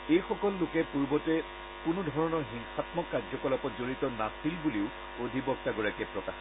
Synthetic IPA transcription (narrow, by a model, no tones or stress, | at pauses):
ejxɔkɔlːʊkɛpuɹbɔtɛ | kʊnʊdʱɔɹɔnɔɹɦiŋxatmɔkːad͡ʒzɔkɔlɔpɔtzoɹitɔnasilbuliʊ | odʱibɔk̚taɡɔɹakɛpɹɔkax